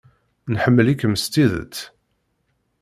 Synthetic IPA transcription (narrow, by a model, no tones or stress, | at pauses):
nħəmːəlikməst̪iðə̰t͡sː